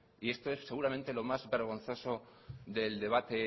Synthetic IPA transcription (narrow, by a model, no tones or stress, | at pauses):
ie̞st̪o̞e̞sse̞ɣuɾament̪e̞lo̞mazβe̞ɾɣ̞o̞nθo̞so̞ðe̞ld̪e̞βat̪e̞